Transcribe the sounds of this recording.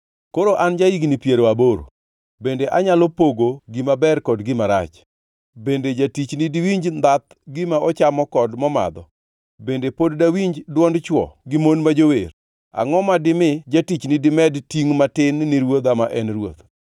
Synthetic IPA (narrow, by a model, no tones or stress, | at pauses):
koɾoʔand͡ʒaiɡnipjeɾoaboɾo̰ | bendeʔaɲalɔpoɡoɡimabɛrkɔdɡɪmaɾa̰t͡ʃ | bended͡ʒatit͡ʃnidiwiɲd͡ʒnd̪at̪̚ | ɡɪmaɔt͡ʃamɔkɔdmɔma̰d̪ɔ | bendepoddawiɲd͡ʒdwɔndt͡ʃwɔ̰ɡɪmonmad͡ʒower | a̰ŋɔmadɪmɪd͡ʒatit͡ʃnidɪmɛdtiŋmatɪnːiɾwot̪amaʔɛnrwo̰t̪